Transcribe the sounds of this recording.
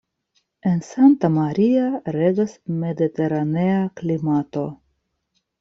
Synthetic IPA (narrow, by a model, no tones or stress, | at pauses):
e̞nsant̪amaɾiaɾeɡasme̞d̪it̪e̞ɾaneaklimat̪o̞